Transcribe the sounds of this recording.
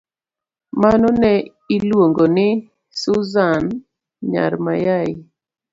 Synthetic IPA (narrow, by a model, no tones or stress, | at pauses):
manɔnɛ | ilwoŋɡonɪ | sʊzan | ɲa̰ɾmajaɪ